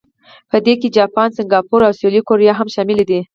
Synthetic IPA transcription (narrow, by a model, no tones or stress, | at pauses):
pəd̪eked͡ʒɑpɑnsɪŋɡɑpuɾawsjolikoɾjɑɦamʃɑmɪled̪i